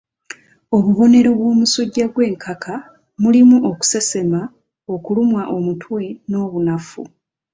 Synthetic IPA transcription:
o̞βuβo̞ne̞ɾo̞βwo̞ːmusuɟːaɡwe̞ːŋkʰaka | mulimuʔo̞ku̥se̞se̞ma | okulumwaʔo̞mutwe̞no̞ːβunafṵ

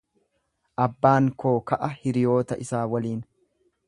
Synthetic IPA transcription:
ʔɐbːaːŋko̞ːkɐʔɐhɪɾɪjo̞ːt̪ɐʔɪsaːwɐliːn

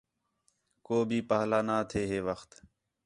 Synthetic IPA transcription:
koːbʱiːpaːɦlaːnaːt̪ʰeːɦeːʋəxt̪

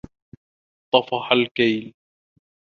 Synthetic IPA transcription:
t̪ˤɑfɑħalkajl

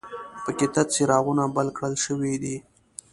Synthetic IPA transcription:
pəkɪt̪at͡siɾɑɣunabalkɽəlʃəwid̪i

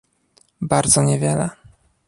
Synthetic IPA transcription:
baɾd̪zɔɲɛvʲjɛlɛ

